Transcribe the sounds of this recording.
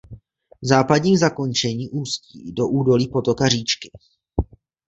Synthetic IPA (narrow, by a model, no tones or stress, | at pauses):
zaːpadɲiːmzako̞nt͡ʃɛɲiːʔuːscḭːdo̞ʔuːdo̞liːpo̞t̪o̞kariːt͡ʃkɪ̥